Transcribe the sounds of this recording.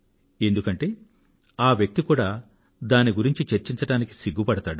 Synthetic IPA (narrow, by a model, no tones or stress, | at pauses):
e̞nd̪ukɐɳʈe̞ː | aːʋjɐk̚t̪ikuːɽaː | d̪aːniɡuɾiɲt͡ʃit͡ʃɐɾt͡ʃiɲt͡ʃɐɽaːniki̥siɡːupɐɽɐt̪aːɽu